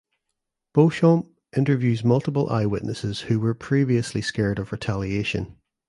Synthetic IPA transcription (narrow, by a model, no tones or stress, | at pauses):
b̥oʃɔ̃m | ʔɪ̃ntə˞vjʉːzmʌlˠtəpəlˠʔa̰ɪwɪʔnəsɪz̥hʉwə˞pʰɹ̥iviəslˠiskɛɹdəvɹɪtʰalˠieʃə̰̃n